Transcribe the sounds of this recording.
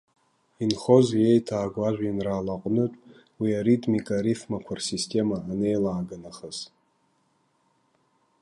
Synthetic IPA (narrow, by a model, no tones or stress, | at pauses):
inχo̞zje̞jtʰaːɡʷaʒᶣʷinraːlaqʼnɨtʼ | wiaɾitʼmikʼaɾifmakʷʰarsistʲʰʼe̞maane̞jlaːɡanaχəz